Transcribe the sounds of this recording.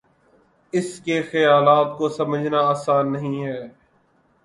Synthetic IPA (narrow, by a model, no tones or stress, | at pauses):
ɪskexɐjaːlaːt̪̚kosɐməd͡ʒʱnaaːsaːnːɐɦĩɦɛː